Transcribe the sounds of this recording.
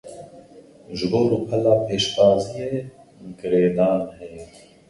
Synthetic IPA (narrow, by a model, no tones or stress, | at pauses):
ʒɡoːɾupʰɐlaːpeːʃkaːzijeː | ɡɪɾeːd̪aːnhɛj